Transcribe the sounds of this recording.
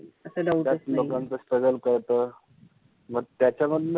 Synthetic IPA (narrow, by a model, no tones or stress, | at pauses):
əsəd̪aut̪jalokant͡səspəɡəlkəɾt̪əː | məɡ̚t̪jat͡ɕaməd̪ʱ